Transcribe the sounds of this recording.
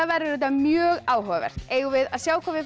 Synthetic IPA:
avɛɾɪɾʏt̪amjœːɣaːwhɔːavɛ̰ɾ̥eːjɣʏvɪðaðsjaːwkʰɔvɪ

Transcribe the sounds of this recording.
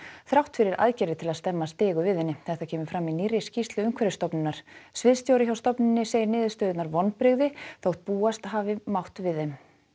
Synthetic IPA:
θɾawht̪fɪɾɪɾʔa̰ðcɛɾɪt̪ʰɪlaðst̪ɛmːast̪ɪːɣʏvɪðhɪnːɪθɛht̪acʰɛːmʏɾ̥fɾaminirːɪscist̪lʏʏŋkʰvɛɾɪst̪ɔpnɪnːaɾ̥svɪðst̪jowɾɪçawst̪ɔpnɪnːɪseːjɾnɪːðɪst̪œːðɪt̪naɾvɔnːpɾɪɣðɪθowht̪̚puːast̪ɦaːvɪmawht̪vɪðɛm

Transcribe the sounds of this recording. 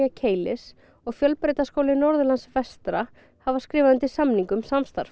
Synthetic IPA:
acʰeːjlɪs | ɔɣfjœlpɾeːjt̪askowlɪnɔɾðʏlansvɛst̪ɾa | havaskɾɪːvaðʏnt̪ɪsamniŋkʏmsamst̪a̰ɾ̥f

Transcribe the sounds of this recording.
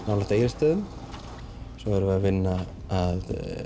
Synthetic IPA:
naːwlat̪eːjɾɪst̪œːðʏm | sɔvɛɾvɪavɪnːa | að

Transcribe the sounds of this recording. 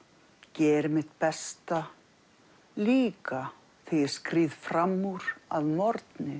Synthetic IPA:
cɛːɾmɪt̪pɛst̪a | liːka | θiɪ̥skɾiːðfɾamːuɾa̰ðmɔɾt̪nɪ

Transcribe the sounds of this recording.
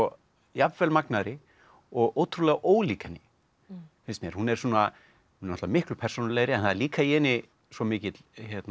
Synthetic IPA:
ɔ | japvɛlmaknaɾɪ | ɔɣoːwt̪ʰɾulɛːɣaʔoːwliːkanːɪ | fɪnst̪mjɛɾhunɛɾ̥suːna | hunɛnɔt̪vamɪhklʏpʰɛ̥sownalɛːɣɾɪɛnθaðɛɾliːkaiɛːnɪ | svɔmɪːcɪt̪çɛt̪n

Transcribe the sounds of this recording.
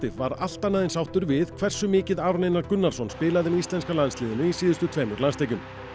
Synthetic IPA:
t̪ɪvvaɾa̰l̥t̪anaðɪnsawht̪ʏɾvɪðkʰvɛr̥sʏmɪːcɪðaːɾnejnaɾkʏnːalsɔnspɪːlaðɪmist̪ɛnskalansliːðɪnʏisiːðʏst̪ʏt̪ʰveːmʏɾlanst̪eːjcʏm

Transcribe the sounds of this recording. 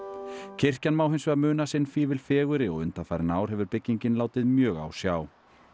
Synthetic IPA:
cʰɪr̥canmaːwɦɪjnsvɛɣmʏːnasɪnːfiːvɪlfɛːɣʏɾɪɔɣʏnt̪afaːɾnaːwɾ̥ɦɛvʏɾpɪcːiɲcɪnlaːwt̪ɪðmjœːɣa̰wsjaːw

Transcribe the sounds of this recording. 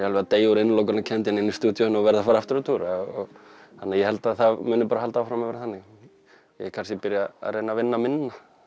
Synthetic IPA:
jalvɛat̪eːjuɾenloːwk̬anacʰɛnt̪̬jɪnɪnːist̪uːt̪jɔhnɔvɛɾðafaːɾaft̪ɪɾat̪ʰuːɾaɔɣhanːaɾjɛhɛlt̪aðθaðmʏːnʏpaːɾahalt̪aawfɾamaðɛːɾaθanːɪɣ | jɛkʰaɾs̬cɪpɪɾjaa̰ðreːjnavɪnːamɪnːa

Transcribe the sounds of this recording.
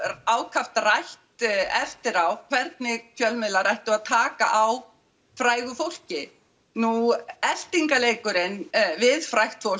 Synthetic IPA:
aːwkʰaft̪rajht̪ɛft̪ɪɾawkʰvɛɾt̪̚nɪcʰœlmɪðlarajht̪ʏaðt̪ʰaːka̰ʔaw | fɾaːjɣʏfowl̥cɪ | nuɛl̥t̪iŋkaleːjkʏɾɪnvɪðfɾajxt̪fowl

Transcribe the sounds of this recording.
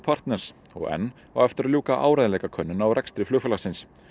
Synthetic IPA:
pʰar̥t̪nɛɾ̥s | ɔ̰ɣɛ̰nː | a̰wɛft̪ɪɾaljuːkaʔaːwɾajðlɛːjkakʰœnːʏnawɾʔɛkst̪ɾɪflʏːfɛlasɪns

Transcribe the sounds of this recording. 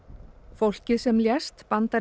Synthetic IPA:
fowl̥cɪðsɛmljɛst̪pant̪aɾ

